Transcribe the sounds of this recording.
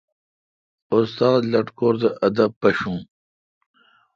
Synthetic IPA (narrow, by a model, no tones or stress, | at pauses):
ʊst̪aːd̪lɐʈkoːɾd̪əʔɐd̪ɐb̚pɐɕũː